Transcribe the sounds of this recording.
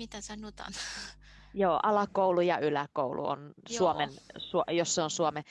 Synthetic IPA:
mit̪æsɑnot̪ɑ̰n | joːʔɑlɑkoulujɑʔylækoulṵo̰nsuomensujosːeonsuome

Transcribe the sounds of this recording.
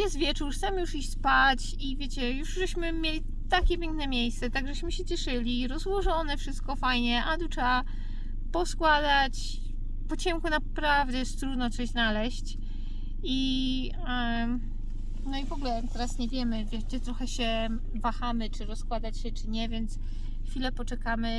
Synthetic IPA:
jɛst̪vʲjɛt͡ʂuɾt̪amjuʂiɕʲspat͡ɕ | ivʲjet͡ɕɛjuʐʐɛɕmɘmʲjelʲi | t̪akʲɛpʲjɛŋknɛmʲjejst̪sɛt̪aɡʐɛɕmɘɕɛt͡ɕɛʂɘlʲiɾɔzwɔʐɔnɛfʂɘst̪̚kɔfajɲɛʔad̪ut͡ʂa | pɔskwad̪at͡ɕ | pɔt͡ɕɛŋkunapɾavd̪ɛjɛʂt̪ɾud̪nɔt̪sɔʑznalɛɕt͡ɕ | i | nɔivɔɡulɛt̪ɛɾasɲɛvʲjɛmɘvʲjɛʂd͡ʑɛt̪ɾɔxɛɕɛ | vaxamɘt͡ʂɘɾɔskwad̪at͡ɕɕɛt͡ʂɘɲɛvʲjɛnt̪s | xfʲilɛpɔt͡ʂɛkamɘ

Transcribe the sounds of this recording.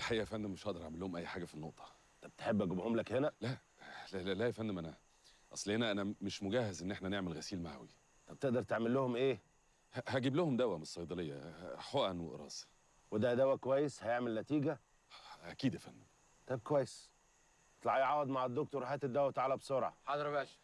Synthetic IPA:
lħaʔːæfænd̪emeʃhæʔd̪ɑɾˤʔaʕmelːohomʔæjːħaːɡæfinːo̰ʔt̪ˤʰɑ̥ | t̪ɑb̚t̪e̥ħebːʔæɡubhomlækhenælæʔ | læælæjæfænːd̪omʔænæ | ʔɑ̰sˤlhenæʔænæmeʃmoɡæhæzʔenːʔeħnæneʕmelɣæsiːlma̰ʕ̰wḭ | t̪ɑb̚t̪eʔd̪ɑɾˤt̪eʕmelːohomʔeː | hæhæɡiblohomd̪æwæmesˤːɑjd̪ˤɑlejːɑħoʔænweʔɾˤɑ̰ːs | wed̪æd̪æwːækowæjːeshæjeʕmelnæt̪iːɡæ | ʔækiːd̪jæfænː | t̪ˤæb̚kowæjːes | t̪lɑʕjʕaːwed̪ˤmaʕed̪ːok̚t̪oɾˤhæːt̪ed̪æwæt̪aʕaːlæbsˤoɾˤʕɑ̰ħɑd̪ɾbæːʃ

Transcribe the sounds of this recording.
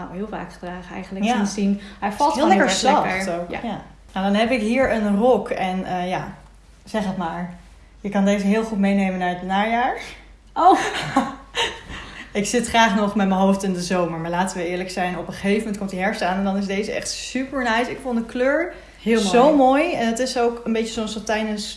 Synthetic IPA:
na̰ɦɪːlˠva̰ːkχədraːχəɛ̰jχənləkɪsinɦɛjfɑlˠtːllɛkəɹsɛtowka̰ja | nadɑnɦɛpɪkɦiːɹənrɔkɛnəjaː | z̥ɛχətmaːɹ | jəkɑndejzəɦɪːlˠχutmejnejmənaːɹədnaːjaːɹ | o | ɪksɪtχraːχnɔχmɛtməɦowftɪndəzowməɹmaɹlaːtəʋəɪːɹləksɛjnɔpəχejfəmɛnt̚kɔmtdiɦɛɹstaːnɛndɑnɪzdejzəɛ̰χtsypəɹnɛjsɪkfondəkløːɹ | zowmoːjɛnətɪsowkənbejt͡ʃəsɔmsɔtɛjdəns

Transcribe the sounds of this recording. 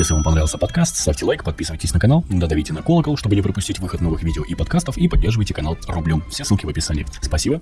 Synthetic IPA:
jesʲlɪvampɐnɾavɪlˠsʲəpɐt̪kast̪st̪afʲtʲɪlˠajkpɐt̪̚pʲisɨvəjtʲɪsʲnəkɐn̪alˠd̪əd̪ɐvʲitʲɪnɐkolˠəkəlˠʂt̪obɨnʲɪpɾəpʊsʲtʲitʲvɨxət̪novɨxvʲidʲɪoʔipɐt̪̚kast̪əfipɐdʲːe̞rʐɨvəjtʲɪkɐnalˠrʊblʲomfsʲesɨlˠkʲɪvəpʲɪsa̰nʲɪ̰ːspɐsʲibə

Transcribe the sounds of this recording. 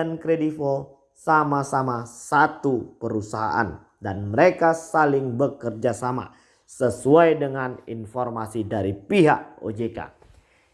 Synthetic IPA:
ankɾedifo | samasamasat̪upəɾusaɦa̰ʔa̰n | danməɾekasalɪŋbəkərd͡ʒasama̰ | səsuajdəŋanḭnfɔrmasidaɾipiɦak̚o̰d͡ʒeka̰

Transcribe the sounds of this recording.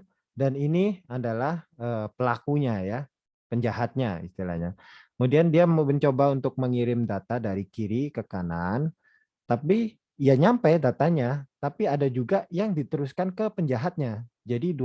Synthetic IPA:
daniniadalahəːpəlakuɲaja | pəɲd͡ʒaɦat̪̚ɲaḭst̪ila̰hɲakəmudiandiabəɲt͡ʃobaunt̪ʊk̚məŋiɾɪmdat̪adaɾikiɾikəkanan | t̪api | jaɲampajdat̪aɲat̪apiadad͡ʒuɡajaŋdit̪əɾuskankəpəɲd͡ʒaɦat̪̚ɲad͡ʒadid

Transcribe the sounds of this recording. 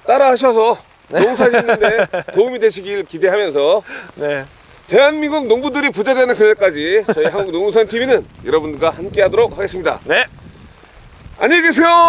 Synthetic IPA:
t͈aɾaɦaɕ̬ʰʌs̬ʰʌ | noŋs̬ʰaɕʰinːnde̞toumidwe̞ɕʰiɡiɭkide̞ɦamjʌnsʰʌn | te̞ɦanmiŋɡuɡ̚noŋbudɯɾipud͡ʑedwenɯnkɯnek͈ad͡ʑit͡ɕʌiɦaŋɡuɡnoŋs̬ʰantʰiminɯnjʌɾʌbundɯɡahamk͈e̞ɦadoɾok̚haɡe̞s͈ɯmɲida̰n | a̰ɲeɡes̬ʰejo

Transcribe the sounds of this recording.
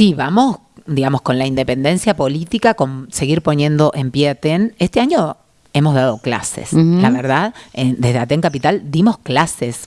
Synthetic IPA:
siβamo̞s | d̪iɣamo̞sko̞nlaind̪e̞pe̞nd̪e̞nsjapo̞lit̪ikako̞nse̞ɣiɾpo̞njẽ̞nd̪o̞ʔe̞mpjeat̪enest̪eaɲo̞ | e̞mo̞zðað̞o̞kla̰sḛslaβeɾðaðend̪ezðeat̪eŋkapit̪ald̪imosklases

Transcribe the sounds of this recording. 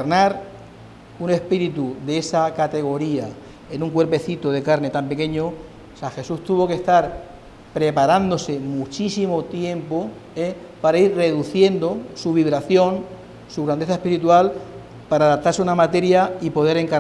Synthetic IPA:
naɾ | une̞spiɾit̪uðeesakat̪e̞ɣ̞o̞ɾia | e̞nũŋkwe̞ɾpe̞θit̪oð̞e̞kaɾne̞t̪ampe̞kẽ̞ɲo | saxe̞sust̪uβo̞ke̞st̪aɾ | pɾe̞paɾand̪ose̞mut͡ʃisimo̞t̪je̞mpo̞ | e | paɾaiɾre̞ðuθje̞nd̪o̞suβ̞iβɾaθjo̞n | suɣɾand̪e̞θaehpiɾit̪ual | paɾaðap̚t̪aɾseunamat̪e̞ɾjaipo̞ð̞e̞ɾe̞ŋka

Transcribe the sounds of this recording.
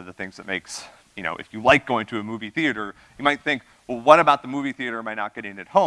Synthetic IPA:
ʌvðɨθɪ̃ŋzðɨt̚meɪks | jɨño̰ʊʔɨ̰fjɨlaɪk̚ɡ̥oʊɪ̃ŋtʰɨɨmuviθiɨɾə˞ | jɨmaɪt̪̚θɪ̃ŋk | wɛlˠwʌɾɨbaʊt̪̚ðəmuviθiɨɾə˞maɪnət̚ɡ̥ɛɾɪ̃nɨt̚hõʊ̃

